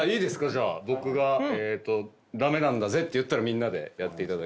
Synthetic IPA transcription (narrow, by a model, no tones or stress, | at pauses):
aiːd̪e̞sɨ̥kaʑaːbo̞kɯ̟ɡaeːt̪ːo̞ | d̪ame̞nãnd̪aze̞t̪ːe̞jɯ̟t̪ːaɾamʲĩnːad̪e̞̰jat̪ːe̞it̪ad̪ak